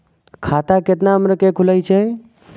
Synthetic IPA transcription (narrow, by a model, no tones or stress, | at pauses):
kʰat̪aket̪naɦəmɾekekʰuləjt͡ʃʰɛ